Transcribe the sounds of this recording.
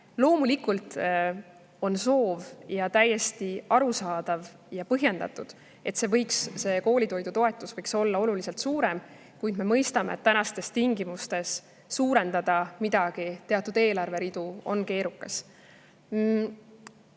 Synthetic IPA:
lo̞ːmulikult̪ˑ | o̞nso̞ːvjɑt̪æje̞st̪iɑɾusɑːd̪̥ɑv | jɑpɤɦje̞nd̪̥ɑ̰t̪ːˑud̪̥ | e̞t̪se̞vɤ̞jksse̞ko̞ːlʲit̪o̞jd̪ut̪o̞e̞t̪ːˑusvɤjkso̞lːɑo̞lulise̞lt̪suːɾe̞m | kujd̪̥me̞mɤjst̪ɑmḛt̪ːænɑst̪e̞st̪iŋɡimust̪e̞sː | uːɾe̞nd̪ɑd̪̥ɑmid̪̥ɑɡ̥it̪e̞ɑt̪ːˑud̪̥e̞ːlɑrve̞ɾid̪̥uo̞̰nke̞ːɾukːɑs

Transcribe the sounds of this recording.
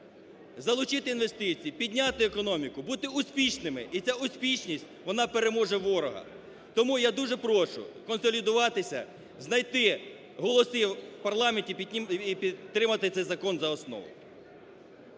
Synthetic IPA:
zɐlˠʊt͡ʃɪt̪ɪinʋe̞st̪ɪt͡sʲijipʲidʲnʲat̪ɪekɔnɔmʲikʊbut̪ɪʊsʲpʲiʃnɪmɪit͡sʲaʊsʲpʲit͡ʃnʲisʲtʲʋɔnɑpeɾemɔʒɛʋɔɾɔɦɐ̰ | t̪ɔmujad̪uʒɛpɾɔʃʊ̰kɔnsɔlʲid̪ʊʋɑt̪ɪsʲɐ̰ | znɐjt̪ɪ | ɦɔlˠɔsɪpɐrlˠɑmʲenʲtʲipʲiipʲit̪ːɾɪmɐt̪ɪt̪sɛjzɐkɔnzɐɔsnɔ̰ʋʊ̰j

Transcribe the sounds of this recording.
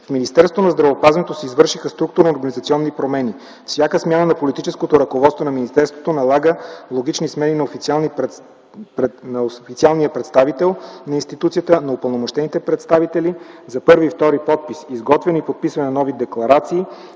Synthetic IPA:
fminist̪ɛɾso̥t̪onɐzd̪ɾɐvopazvɛnɛt̪osɛizvɤɾʃixəst̪ɾuk̚t̪ʊɾnoɾɡɐnizɐt̪siɔnːipɾomɛni | fsʲjakəsmʲjanənɐpolit̪it͡ʃɛskot̪oɾɐkovɔt̪st̪vonɐminist̪ɛɾst̪vot̪onɐlˠaɡəlˠoɡit͡ʃnismɛninɐofi | nfit̪sialˠnijəpɾɛt̪st̪avit̪ɛlˠnɐinst̪it̪ut̪sijət̪ənɐupəlˠnomoʃt̪ɛnit̪ɛpɾɛt̪st̪avit̪ɛlizɐpɤɾviːft̪ɔɾipɔt̪̚pisizɡɔt̪vɛnipot̪̚pisvɐnɛnɔvid̪ɛklˠɐɾat̪siː

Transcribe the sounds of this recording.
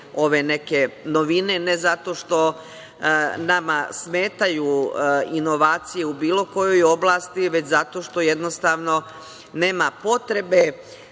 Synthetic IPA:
o̞ʋe̞ne̞keno̞ʋine̞nezat̪o̞ʃt̪o̞ | namasme̞ːt̪ajuino̞ʋaːt̪sije̞ubiːlo̞ko̞jo̞jo̞blˠaːst̪iʋe̞t͡ɕzat̪o̞ʃt̪o̞je̞d̪nost̪aːʋno̞ | neːmapo̞t̪ɾe̞be̞

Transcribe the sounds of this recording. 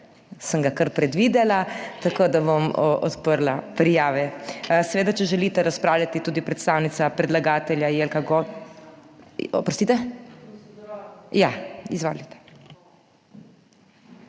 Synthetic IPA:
səŋɡakəɾpɾɛd̪ʋid̪ɛlat̪akoːd̪abomʔɔ̰t̪pəɾlapɾijaːʋɛsɛʋeːd̪at͡ʃɛʒɛlit̪ɛɾaspɾaːwljat̪it̪uːd̪ipɾɛt̪st̪aːwnit̪sapɾɛd̪laɡaːt̪ɛljajelkaɡo | pɾɔst̪iːt̪ɛ | jaizʋo̰ːlit̪ɛ̥

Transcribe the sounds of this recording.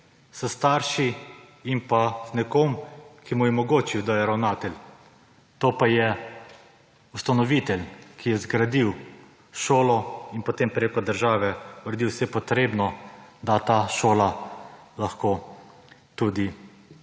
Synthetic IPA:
səst̪aːɾʃi | impaznɛkomkimujɛmɔɡoːt͡ʃiwd̪ajɛɾawnaːt̪ɛlʲ | t̪oːpajɛ | ust̪anɔʋit̪ɛlkʰijɛzɡɾad̪iw | ʃoːlɔinpɔt̪empɾekɔd̪əɾʒaːʋɛuɾɛd̪iwsɛpɔt̪ɾeːbnɔd̪at̪aːʃoːlalaxkoː | t̪ud̪i

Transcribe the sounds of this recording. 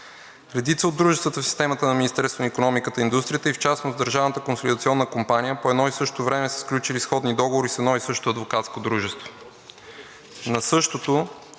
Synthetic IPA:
ɾɛd̪it̪səod̪ːɾuʒɛst̪vət̪əfsi̥st̪ɛmət̪ənɐminist̪ɛɾst̪vonikonɔmikət̪əind̪ust̪ɾijət̪əift͡ʃasnozd̪əɾʒavnət̪əkonsolʲid̪ət̪siɔnːəkompanijəpoɛd̪nɔisɤʃtt̪ovɾɛmɛsɛ̥sklʲut͡ʃilisxɔd̪nid̪ɔɡovoɾisɛd̪nɔisɤʃto̥t̪oɐd̪vokat̪skod̪ɾuʒɛst̪vo | nɐsɤʃt̪ot̪o

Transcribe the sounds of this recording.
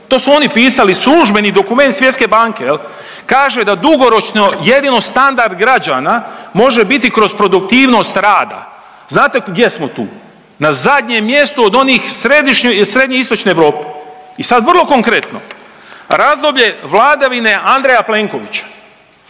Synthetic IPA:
t̪o̞ːsuo̞nipiːsalisluʒbe̞nid̪o̞kume̞nt̪sjet̪ske̞baŋkel | kaːʒe̞d̪ad̪uɡo̞ɾo̞t͡ʃnoje̞d̪ino̞st̪and̪aɾd̪ɡɾad͡ʒanamo̞ʒebit̪ikɾo̞zpɾo̞d̪ukt̪iːʋno̞st̪ɾaːd̪a̰ | znaːt̪e̞ɡd̪je̞smot̪ṵː | nazad̪ʲɲemːje̞st̪uod̪o̞nixsɾed̪iʃɲsɾe̞d̪ɲeist̪o̞t͡ʃneːʋɾo̞ːpe | isad̪ʋrlˠo̞ko̞ŋkɾe̞t̪no̞̰ | ɾazd̪o̞bʎe̞ʋlˠaːd̪aʋine̞ʔand̪ɾejaple̞ːŋko̞ʋit͡ɕḁ

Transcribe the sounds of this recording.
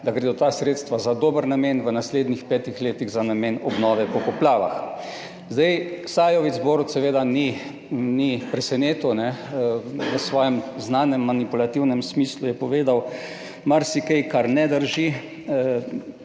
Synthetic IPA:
d̪aɡɾed̪ot̪aːsɾeːt̪st̪ʋazad̪oːbəɾnameːnʋənasleːd̪nixpɛːt̪ixleːt̪iɣzanameːnɔbnɔːʋɛpɔkɔplaːʋa̰x | zd̪ajsajɔʋizboːɾɔt̪sɛʋeːd̪ani | nipɾɛsɛneːt̪ɔnɛ | ʋəsʋɔːjɛmznaːnɛmːanipulat̪iwnɛmsmislujɛpɔʋeːd̪aw | maɾsikejkaɾnɛd̪əɾʒi

